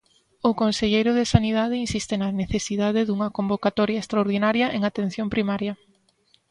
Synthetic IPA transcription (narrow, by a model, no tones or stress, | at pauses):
ʊkonseʎejɾʊðesaniðað̞ɪinsist̪ɪnɐneθesiðað̞eðuŋɐkombokat̪ɔɾjɐest̪ɾaoɾðinaɾjɐʔeŋat̪en̟θjompɾimaɾjɐ